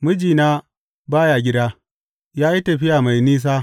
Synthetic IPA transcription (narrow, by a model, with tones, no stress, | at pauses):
mɨ˦d͡ʒiː˨naː˦ | baː˦jaː˨ɡʲɪ˦daː˦ | jaː˦ji˦tɐ˨ɸɪ˦jaː˨ma˨jniː˦s̬aː˦